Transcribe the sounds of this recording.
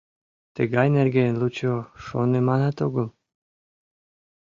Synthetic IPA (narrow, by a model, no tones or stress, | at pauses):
t̪əɡɑjnerɡeənlut͡ɕoʃo̰nemɑnɑt̪oɣəl